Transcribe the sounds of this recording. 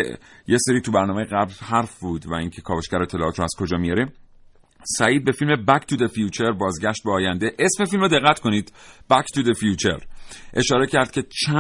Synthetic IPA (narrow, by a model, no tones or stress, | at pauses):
jeseɾiːt̪ʰubæɾnɒːmejeɣæblhæɾfbuːd̪væiŋcʰe̞kʰɒːvoʃcæɾoet̪ʰːelɒ̰ːt̪ʰɾɔæz̥kʰo̞d͡ʒɒːmijɒːɾe | sæiːd̪̚be̞filme̞bækt̪ʰud̪efijuːt͡ʃʰeɾbɒːzɟʲæʃt̪̚beɒːjænd̪eʔesmefilmod̪e̞ɣːæt̪kʰo̞niːd̪̥b̥ækt̪ʰud̪efijut͡ʃʰeɾʔe̞ʃɒːɾecʰæɾd̪̥̚cʰʲe̞t͡ʃʰæ